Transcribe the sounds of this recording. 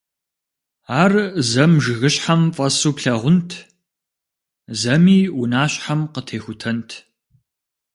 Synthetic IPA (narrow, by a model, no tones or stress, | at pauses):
aːrzɐmʒɨɣɨɕħamfʼɐsuːpɬɐʁʷʊntʰ | zɐmiːʔunaːɕħamqətʰeːxʷʊtʰɐntʰ